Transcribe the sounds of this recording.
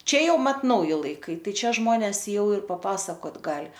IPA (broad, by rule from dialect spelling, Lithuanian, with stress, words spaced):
ˈt͡ʃʲɛ ˈjɛʊ ˈmɐt ˈnɐʊjɪ lˠɐɪˈkɐɪ ˈtɐɪ ˈt͡ʃʲɛ ˈʒmoːnʲɛs ˈjɛʊ ɪr pɐˈpɑːsɐkoːt ˈɡɑːlʲɪ